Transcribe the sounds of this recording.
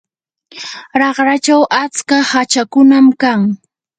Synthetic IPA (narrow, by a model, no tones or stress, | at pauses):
ɾɑχɾat͡ʃawʔat͡skahat͡ʃakʊnamkaŋ